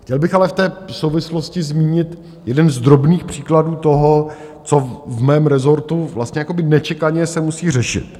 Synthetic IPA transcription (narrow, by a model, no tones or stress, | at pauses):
xcɛlbɪxalɛft̪ɛːsowvɪsloscɪzmiːɲɪt̪ | jɛdɛnzd̪ɾo̞bniːxpr̝̥iːkladuːt̪o̞ɦo | t͡so̞vmɛːmɾɛzo̞ɾt̪uvlast̪ɲɛjako̞bɪnɛt͡ʃɛkaɲɛsɛmusiːr̝ɛʃɪ̰t̪